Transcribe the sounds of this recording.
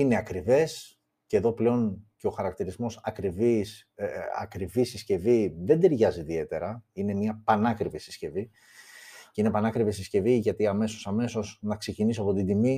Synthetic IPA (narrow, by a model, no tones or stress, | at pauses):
ine̞ɐkɾive̞s | ceðo̞ple̞o̞nce̞o̞xɐɾɐkt̪iɾizmo̞sɐkɾivis | ɐ̰kɾivisisce̞viðe̞nd̪eɾʝɐziðie̞t̪e̞ɾɐine̞miɐpɐnɐkɾivisi̥sce̞vi | ceine̞pɐnɐkɾivisisce̞viʝɐt̪iɐme̞so̞sɐme̞so̞znɐkse̞cinisoɐpo̞t̪ind̪imi